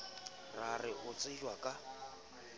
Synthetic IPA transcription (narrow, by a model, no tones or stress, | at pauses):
rarɪʔʊt͡sʼɪʒwakʼa